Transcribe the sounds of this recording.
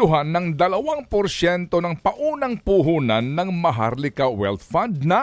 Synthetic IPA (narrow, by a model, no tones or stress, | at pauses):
ʊɦanːɐŋd̪ɐlɐwaŋpoɾsɛnt̪onɐŋpɐʔuːnɐŋpuɦuːnanːɐŋmɐɦa̰ɾlɪkawɛ̰lt̪̚fand̪̚nɐ